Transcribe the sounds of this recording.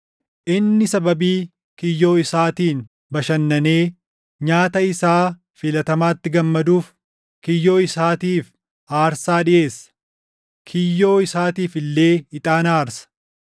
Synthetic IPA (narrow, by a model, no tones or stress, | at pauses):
ʔɪnːɪsɐbɐbiː | kɪjːo̞ːɪsaːt̪iːn | bɐʃɐnːɐne̞ː | ɲaːt̪ɐɪsaː | fɪlɐt̪ɐmaːt̪ːɪɡɐmːɐd̪uːf | kɪjːo̞ːɪsaːt̪iːf | aːɾsaːᶑɪʔe̞ːsːɐ̥ | kʰɪjːo̞ːɪsaːt̪iːfɪlːe̞ːɪt̪ʼaːnaːɾsɐ̥